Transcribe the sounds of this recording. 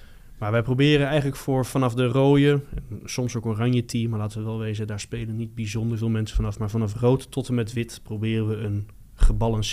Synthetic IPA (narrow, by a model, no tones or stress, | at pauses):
maːɹʋɛjprobɪːɾənɛjχənləkfʊːɹv̥ɑnɑfdəroːjəɛnsɔmsowkorɑɲjətʰimaːɹlaːtəʋəʋɛlˠʋejzədaːɹspejlənːid̚bizɔndəɹvɪːlˠmɛnsə̥fɑnɑfmaːɹvɑnɑfrowttɔtəmɛtʋɪtprowbɪːrənʋəən | χəbɑlˠɑns